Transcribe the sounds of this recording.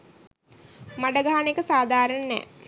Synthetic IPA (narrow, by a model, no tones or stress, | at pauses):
maɖəɡaːanekəsaːd̪ʱaːɾənnɛ̰ː